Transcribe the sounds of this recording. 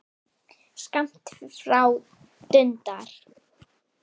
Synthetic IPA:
skam̥t̪fɾaw | t̪ʏnt̪aɾ̥

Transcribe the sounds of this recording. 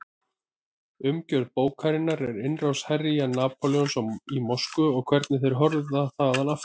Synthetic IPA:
ʏmcœɾðpoːwkʰaɾɪnːaɾɛɾɪnrawshɛrijanaːpʰoljɔnsɔmimɔskʏɔɣkʰvɛɾt̪nɪθejɾ̥ɦɔɾððaθaɣðanaft̪

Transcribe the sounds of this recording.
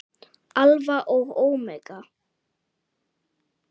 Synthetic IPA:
alvaʔɔɣowmɛka

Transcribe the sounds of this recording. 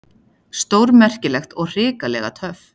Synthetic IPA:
st̪owɾmɛr̥cɪlɛxt̪ɔɣr̥ɪːkalɛ̰ɣa̰t̪ʰœf

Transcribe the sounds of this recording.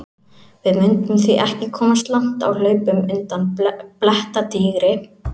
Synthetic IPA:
vɪðmʏnt̪ʏmθviʔɛhcɪkʰɔːmast̪lan̥t̪a̰wlœːɥpʏmʏnt̪anːplɛht̪at̪iɣɾɪ

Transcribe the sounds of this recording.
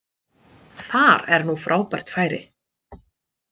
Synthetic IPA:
θaɾɛɾnufɾʔaːwpar̥t̪faːjɾɪ̰

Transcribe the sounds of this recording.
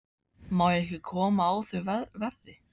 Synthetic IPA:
mawɛhcɪkʰɔːmaːwθœɥvvɛɾðɪ

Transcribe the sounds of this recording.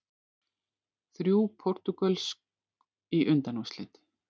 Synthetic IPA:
θɾjuːpʰɔr̥t̪ukœlsk | iʔʏnt̪anɔmslɪ̰ːt̪ɪ̥

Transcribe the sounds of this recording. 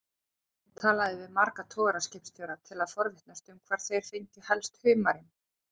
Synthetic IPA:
t̪ʰaːlaðɪvɪðmaɾkat̪ʰɔːɣɾascɪhpst̪ʰjɔwɾat̪ʰɪlaðfɔɾvɪht̪nast̪ʏmkʰvaɾ̥θejɾ̥fɪɲc̪ɪhɛlst̪hʏːmaɾɪm

